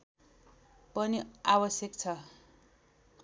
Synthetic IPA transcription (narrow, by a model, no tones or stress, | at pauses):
pʌniabʌsjʌkt͡sʰʌ